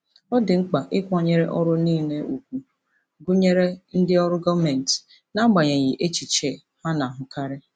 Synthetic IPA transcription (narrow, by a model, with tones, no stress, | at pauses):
ɔ˦dɪ˨ŋ͡m̩˦k͡pa˨ʔɪ˦kʷɔ˨ɲe˦ɾe˦ʔɔ˦ɾʊ˦niː˦˨ne˦u˨kʷu˨ | ɡʊ˦ɲe˦ɾe˦n̩˦dɪ˦ɔ˦ɾʊ˦ɡɔ˦me˨n˨t | na˦ɡ͡ba˨ɲe˨ɣɪ˨ʔe˦t͡ʃi˨t͡ʃe˦˨ | ha˦na˨ɦʊ˦ka˦ɾɪ˦